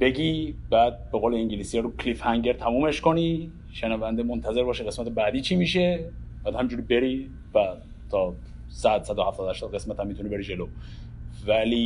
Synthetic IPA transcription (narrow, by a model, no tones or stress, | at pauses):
b̥e̞ɡʲibæːd̪̚be̞ɣoːleiŋɟilisijɛɾukʰlifhæŋɟeɾt̪ʰæmuːmeʃko̞ni | ʃenævænd̪emont̪ʰæze̞ɾbɒːʃeɣe̞smæt̪ʰebæd̪iːt͡ʃʰimiːʃe̞bæːd̪hæmiɲd͡ʒuːɾibe̞ɾi | væ | t̪ʰɒː | sæd̪sæd̪ohæft̪ɒːd̪hæʃt̪ɒːd̪ɣe̞smæt̪ʰæmːit̪ʰunibe̞ɾid͡ʒe̞loː | væli